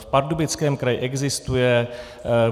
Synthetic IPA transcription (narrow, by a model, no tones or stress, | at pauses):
fpaɾdubɪt͡skɛːmkɾajɪʔɛɡzɪst̪ujɛ